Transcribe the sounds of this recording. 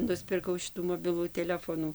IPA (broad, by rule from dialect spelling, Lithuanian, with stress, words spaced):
nʊsʲpʲɪrˈkɐʊ ˈʃʲɪtuː moːˈbʲɪlˠuː tʲɛˈlʲæːfoːnuː